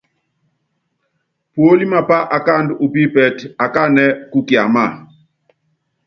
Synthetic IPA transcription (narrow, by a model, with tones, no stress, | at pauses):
pwo˦li˦ma˨pa˦ʔa˨ka˦˨ndu˨pi˦pɛ˨ta˨ka˦˨nɛ˦ku˦kja˨ma˦˨